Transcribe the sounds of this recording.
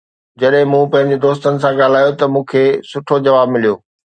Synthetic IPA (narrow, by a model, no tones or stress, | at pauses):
d͡ʑɐɗɦɪ̃mũːpɐ̃ɦɪ̃ɲd͡ʑed̪oːst̪ənɪ̆sãɠaːl̤aːjot̪ɐmũːkʰeːsʊʈʰod͡ʑɐʋaːbmɪlijoː